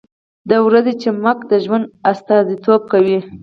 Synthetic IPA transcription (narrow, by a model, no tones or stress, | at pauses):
d̪awɾazet͡ʃemakd̪əʒwand̪ast̪ɑzit̪ob̚kawi